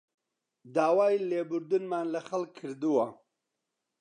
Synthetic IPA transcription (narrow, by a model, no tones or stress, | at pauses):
d̪aːwaːileːbuɾd̪ɨnmaːnlɐxɐlkʰːɨɾd̪uwa